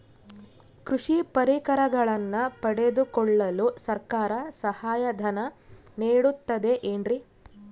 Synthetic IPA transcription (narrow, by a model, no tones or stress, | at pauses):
kɾuʂipɐɾikɐɾɐɡɐɭɐnːɐpɐɽe̞d̪ukɔɭːɐlusɐɾkaːɾɐsɐhaːjɐd̪ʱɐnɐniːɽut̪ːɐd̪e̞ʔeːnɾi